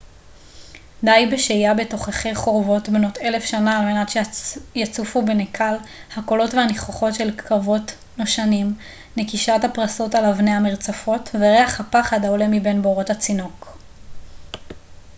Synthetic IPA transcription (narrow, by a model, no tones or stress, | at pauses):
d̪ajbeʃejabe̞to̞χeχejχo̞ʁvo̞tbno̞te̞le̞fʃanaːlme̞natʃejat͡sufubenekʰalhako̞lo̞tveaniχoχo̞tʃe̞lkʰavo̞t | noʃanim | nekiʃathapʁaso̞talavne̞jhameʁt͡safo̞tveʁe̞aχhapaχadaole̞mibe̞nboʁo̞that͡sino̞k